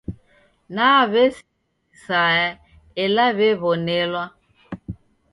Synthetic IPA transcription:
naβes | sa | elaβeβonelwa

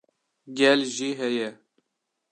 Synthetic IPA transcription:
ɡʲɛlʒiːɦɛjɛ

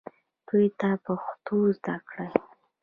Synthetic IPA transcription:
t̪ujt̪apəxt̪ozd̪akɽəj

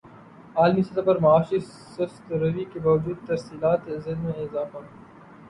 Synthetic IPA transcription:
aːlmisɐt̪ʰapɐɾmɐaːʃi | sɐst̪ɾɐʋikebaːʋd͡ʒuːd̪̚t̪ɐɾsiːlaːt̪zɪlmẽɪzaːfa

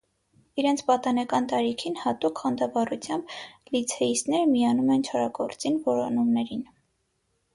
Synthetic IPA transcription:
iɾɛnt͡sʰpɑt̪ɑnɑkɑnt̪ɑɾikʰinhɑt̪ukχɑnd̪ɑvɑrut͡sʰjɑmblit͡sʰɛist̪nɛɾəmijɑnumɛnt͡ʃʰɑɾɑɡɔɾt͡sinvɔɾɔnumnɛɾin

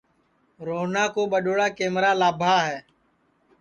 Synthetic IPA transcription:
ɾoːɦnaːkoːɓəɗoːɽaːkeːmɾaːlaːbʱaːɦɛː

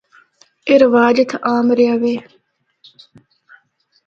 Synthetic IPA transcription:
eɾɐʋaːd͡ʒɐt̪ʰʔaːmɾiɐʋeː

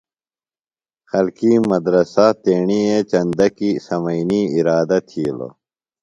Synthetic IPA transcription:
xɐlkiːmɐd̪ɾɐsat̪eːɳiet͡ɕɐnd̪ɐkisɐmɐiniiɾaːd̪ɐt̪ʰiːlo̰

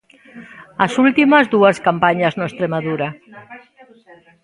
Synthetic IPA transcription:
asult̪imazðuaskampaɲaznoest̪ɾemaðuɾa

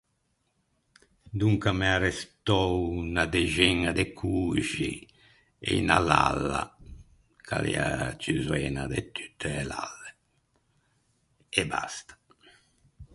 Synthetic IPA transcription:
d̪uŋkamɛarɛst̪ɔwnad̪ɛʒɛŋːad̪ɛkʰuʒi | ɛinalalːa̰ | kʰa̰lɛ̰at͡ʃizwɛːnad̪et̪y̥t̪ʰːela̰lːɛ | ɛbast̪ḁ

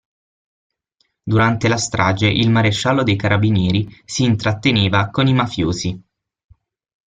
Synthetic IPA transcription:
d̪uɾant̪elast̪ɾʔaːd͡ʒeʔilmaɾeʃːalːod̪ejkaɾʔabinjɛːɾisiːnt̪ɾat̪ːeneːvakonimafjoːzi

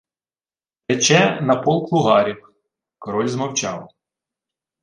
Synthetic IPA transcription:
ɛt͡ʃɛnɐpɔlˠklˠʊɦɑɾʲiw | kɔɾɔlʲzmɐwt͡ʃɑw

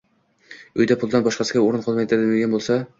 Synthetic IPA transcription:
ɵjd̪apʰʊlˠd̪anbɒʃqɑsɪɡʲaoɾɪnqʰɒlˠmajt̪ʰɪɾd̪meɡʲanbolˠsa

